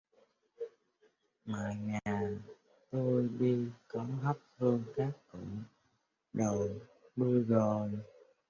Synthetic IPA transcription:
ma̰ː˧˨˩ŋaː˨˩ | t̪o˧jɗi˧kɔ˨˦ɦa˦˥p̚hɨ˧əŋkaː˦˥kːʊ̰˧˩˨ŋ͡m | ɗə˨˩jɓɨ˧əɣo˨˩j

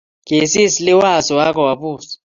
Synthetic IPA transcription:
kʼe˨si˦sli˦wa˨sɔ˨wa˦k̬ʰɔ˨wa˨puː˨sḁ

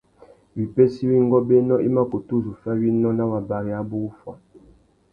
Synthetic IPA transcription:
wi˨pe˦si˦wi˦ŋ˦ɡɔ˦be˦nɔ˦ʔi˦ma˦ku˨tu˦zu˨fa˦wi˦nɔ˦na˦wa˨ba˨ɾi˨a˦bu˦u˦fwa˨

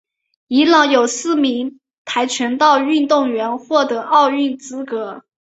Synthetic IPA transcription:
i˧˥lɑ˨˥˦ŋjo˨˩ʊsɹ̩˥˩mi˧˥ŋ | t̪ʰa˧˥ɪt͡ɕʰɥɛ˧˥nt̪ɑ˥˧ʊy˥˧nt̪ʊ˥˩ŋɥɛ˧˥nxwɔ˥˩t̪ɤ˧˥ʔɑ˥˧ʊy˥˩nt͡sɹ̩˥kɤ˧˥

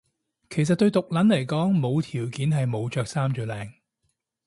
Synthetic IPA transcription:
kʰe˨˩js̬ɐ˨t̚t̪ɵ˧ɥt̪ʊ˨k̚lɐ˨˥nlɐ˨˩jkɔː˨˥ŋmo˨˧wt̪ʰiː˨˩wkiː˨˥nɦɐ˨jmo˨˧wt͡ʃœː˨k̚saː˥mt͡ʃyː˨˧lɛː˨˧ŋ

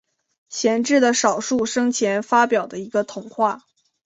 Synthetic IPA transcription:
ɕjɛ˧˥nʈ͡ʂɻ̩˥˩d̪ə˩ʂɑ˨˩ʊʂu˥˩ʂɤ˥ŋt͡ɕʰjɛ˧˥nfa˥pjɑ˨˩ʊd̪ə˦i˧˥ɡə˧t̪ʰʊ˨˧˩ŋxwa˥˩

